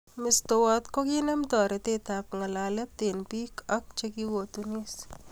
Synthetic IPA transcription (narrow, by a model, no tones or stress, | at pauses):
mɪst̪owat̪kokinɛmd̪ɔːɾet̪et̪ap̚ŋɐlalɛp̚t̪enpikʰɐk̚t͡ʃekiwot̪unis